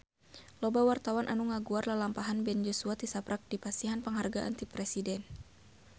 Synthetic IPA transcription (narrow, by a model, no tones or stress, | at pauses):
lɔbawart̪awanʔanuŋaɡuarlalampaɦanbɛnd͡ʒɔsuat̪isapɾak̚dipast̪iɦanpəŋɦarɡaʔa̰nt̪ipɾɛsidɛn